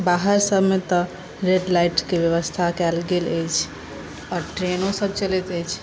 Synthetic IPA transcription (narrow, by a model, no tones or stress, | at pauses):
baɦəɾsəbmet̪ə | ɾeɖlajʈkebjəβəst̪ʰakɛlɡeləjt͡ʃʰ | ɔɾʈɾenõsəb̚t͡ʃəlet̪əjt͡ʃʰ